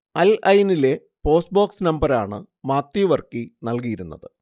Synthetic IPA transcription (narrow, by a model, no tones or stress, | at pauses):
ɐlɐjnile̞ | po̞ːsboːksnɐmbɐɾaːɳɨ | maːt̪ːjuʋɐrkinɐlkijiɾunːɐ̰ðɨ